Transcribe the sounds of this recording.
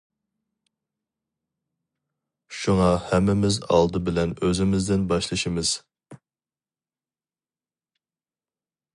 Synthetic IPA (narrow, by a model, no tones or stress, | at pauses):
ʃuŋɑhɛmːɪmɪzɑ̰lˠd̪ɨbɪlɛnøzɪmɪzd̪ɪnbɑʃlˠɨʃimɨz̥